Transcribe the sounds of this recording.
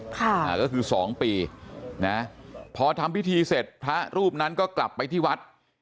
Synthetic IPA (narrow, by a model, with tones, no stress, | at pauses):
kʰa˥˩a˨˩kɔː˥˩kʰɯː˧sɔː˩˦ŋpiː˧na˦˥pʰɔː˧t̪ʰa˧mpi˦˥t̪ʰiː˧se˨˩t̪̚pʰɾa˦˥ɾuː˥˩p̚na˦˥nkɔː˥˩kla˨˩pːa˧jt̪ʰiː˥˩wa˦˥t̪̚